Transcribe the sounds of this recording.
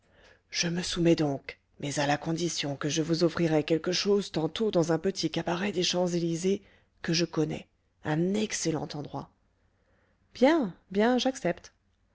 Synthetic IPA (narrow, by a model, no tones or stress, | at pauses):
ʒ̥əməsumɛd̪ɔ̃k | mɛzalakɔ̃d̪isjɔ̃kəʒəvuzɔfχiʁɛkʲɛlkəʃozt̪ɑ̃t̪od̪ɑ̃zɛ̃pət̪ʰikabaʁɛd̪eʃɑ̃zelize | kəʒəkɔnɛ̰ | ɛ̃nɛkselɑ̰̃t̪ɑ̃d̪ʁwa̰ | b̥jɛ̃bjɛ̃ʒaksɛpt̪